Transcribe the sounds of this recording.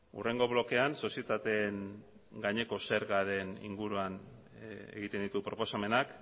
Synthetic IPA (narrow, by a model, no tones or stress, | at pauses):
ṵre̞ŋɡo̞βlo̞ke̞anso̞sie̞t̪at̪e̞ŋ | ɡaɲe̞ko̞se̞ɾɣaɾe̞nḭŋɡuɾuan | ḛɣit̪e̞nd̪it̪upɾo̞po̞same̞nak